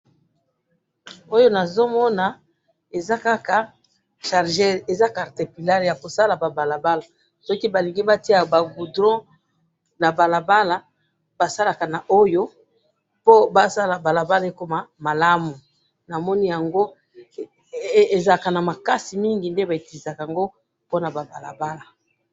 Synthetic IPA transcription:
o˦jo˦na˨zo˦mɔ˦na˨ | e˨za˦ka˦ka˨ | ʃa˨ʁʒe˦e˨za˦ka˨ʁte˨pi˨la˦ʁja˨ko˨sa˦la˨ba˨ba˨la˨ba˦la˨ | sɔ˦ki˦ba˨li˨ŋɡi˦ba˦ti˦a˨ba˨ɡu˨dʁɔ̃˦ | na˨ba˨la˨ba˦la˨ | ba˨sa˦la˨ka˨na˨ʔo˦jo˦ | po˦ba˦sa˦la˨ba˨la˨ba˦la˦e˦ko˦ma˨ma˨la˦mu˨ | na˨mɔ˦ni˦ja˨ŋɡo˦ | e˨za˨ka˨na˨ma˨ka˦si˨mi˦ŋɡi˨nde˦ba˨e˨ti˨i˨za˨ka˨ja˨ŋɡo˦ | po˦na˨ba˨ba˨la̰˨ba˦la˨

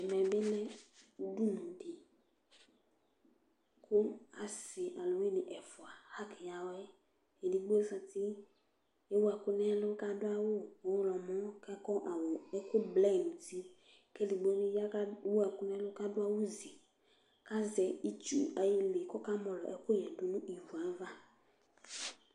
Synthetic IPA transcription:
ɛ˨mɛ˨be˦lɛ˦du˦nũ˨de˨ | kʰo˦a̰˦si˨ʔa˨lo˨wi˦nĩ˨ʔɛ˨fʊ˨a˨ha˦ki˨ja˨wɛ˦ | e˨di˨ɡ͡bo˦sa˧ti˦ | e˦wo˦a˨kʊ˦nɛ˦lʊ˦ka˦dʊ˦a˦wo˦wo˨˦lɔ˨mɔ̃˦kɛ˦kɔ˦ʔa˨wɔ˨ɛ˦ko˦blɛ˦˨mũ˨ti˦ | ke˦li˨ɡ͡bo˦mĩ˦wu˦a˨kʊ˦nɛ̃˦lʊ˦ka˦dʊ˦a˦wo˦zi˨ | ka˦zɛ˨i˨t͡ʃṵ˦a˨ji˧le˨kɔ˦ka˦mɔ̃˨lɔ̰˨ʔɛ˦kʊ˦jɛ˨du˨nũ˦ʔi˨vu˨a˨˦va˦

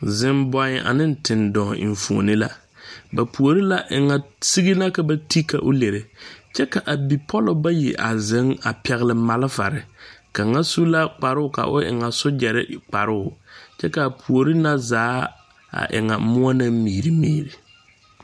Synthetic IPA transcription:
zɪ˨mbɔ˨ɲɪ˨ʔa̰˨nɪ˦n˨tʰɪ˨ndɔː˨ɪ̰˨ɱ˨fu˨o˨nɪ˦la˦ | ba˨pʰu˨o˨ɾi˦la˦ʔɪ˨ŋa˨si˦ɣi˦na˦ka˨ba˦ti˦ka̰˨ʔʊ˦le˨ɾɪ˨t͡ʃɛ˦ka˨ʔa˨bi˨pʰɔ˦lʊ˨ba˦jḭ˨ʔa̰˨zɪ˨˦ŋa˨pɛ˨ɣɪ˦lɪ˨ma˨lɪ˦va̰˨ɾɪ˨ka˨ŋa˦su˦la˦k͡pa˨ɾɪ˦ʊ˨ka̰˨ʔʊ̰˦ʔɪ̰˨ŋa˨sʊ˦d͡ʒɛ˨ɾɪ̰˦k͡pa˨ɾɪ˦ʊ˨t͡ʃɛ˦ka˨pʰu˨o˨ɾi˦na˦zaː˨˦ | a̰˨ʔɪ̰˨ŋa˨˦mʊ˦ɔ˦na˦miː˨ɾi˨miː˦˨ɾi˨

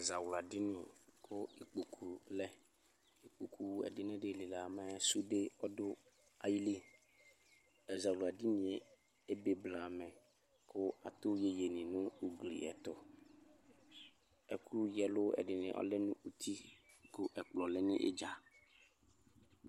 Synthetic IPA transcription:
ɛ˨za˨wla˨dɪ˦nʊ̃˦˨kʰʊ˦i˨k͡po˨kʰu˨lɛ˦ | i˨k͡po˨kʰu˦˨ɛ̰˨dɪ˦nɪ̃˦dɪ˦˨lɪ˨la˨mɛ˦su˦de˦ɔ˦dʊ˦ | a˨ji˦li˦ | ɛ˨za˨wlʊ˨a˨di˦nĩ˨ɛ˨ | e˦be˨bla˨mɛ˨ | kʊ˦a̰˨t̪ʊ˦je˦je˨nɪ̃˨nʊ̃˦u˨ɡlḭ˨ɛ̰˨t̪ɔ˨ | ɛ˨ku˦u˦jɛ˨lʊ˦ɛ̰˨dɪ˨nɪ̰̃˨˦ʔɔ̰˦lɛ˦nũ˦u˦t̪ʰi˦kʊ˦ʔɛ˨k͡plɔ˨lɪ˦nɪ̰̃˦ʔḛ˦d͡ʒa˨

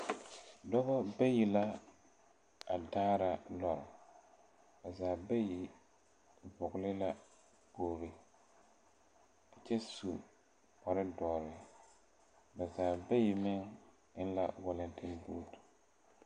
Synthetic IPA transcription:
dɔ˦bɔ˦bɛ˦ji˨la˦ | a˨daː˦ɾa˨lɔ˨ɾɪ˨ | ba˨zaː˨bɛ˦ji˨ | vʊ˨ɡlɪ˦la˦ | boː˨ɾɪ˦ | a˨t͡ʃɛ˦su˨ | ɔ˨ɾɪ˦dɔː˨ɾɪ˨ | ba˨zaː˨bɛ˦jɪ˨mɪ˦ŋ | ɪ˦n˦la˦wʊ˨lɪ˨ntʰɪ˦nboː˦t

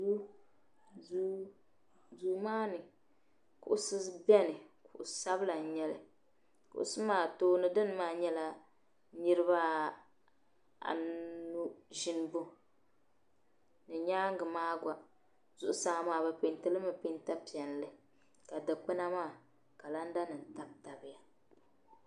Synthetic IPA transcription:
u˦ | u˦ | zuː˨maː˦nɨ˨ | kʊ̰˨ʔʊ˨˦sɨ˦bɛ˦nɨ˨kʊ˨ʔsa˦bɨ˦la˨n˨ɲɛ˦lɨ˨ | kʊ̰˨ʔʊ̰˦sɨ˦maː˦˨toː˦nɨ˨dɨ˦n˦maː˦˨ɲɛ˦la˦ | nɨ˦ɾɨ˦βa˦ | a̰˨nu˦ʒi˦n˦bʊ˦ | nɨ˨ɲaː˦ŋ˦ɡɨ˨maː˦ɡʷa˨ | zʊ˦ʔʊ˦sa˦ŋa˦maː˨ba˦pɪ˨ntɨ˦lɨ˦mɨ˨pɪ˦nta˦pi˨ɛ˨n˨lɨ˦ | ka˨dɨ˨k͡pɨ˦na˦maː˦˨ | ka˨la˦n˦da˦nɨ˨n˨ta˦bta˨bɪ˦ja˨

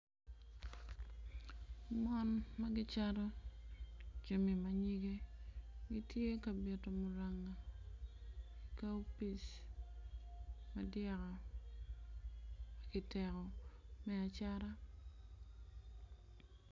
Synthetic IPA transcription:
mɔ˦nma˦ɡɪt͡ʃaɾɔ˦ | t͡ʃomi˨maɲiɡe˦ɡɪtje˦ka˨be˨to˨mʊɾaŋa˨ | ka˦u˦pi˨s | madjakɔ˨ | maɡɪtɛkɔ˨mɛa˨t͡ʃaɾa˦

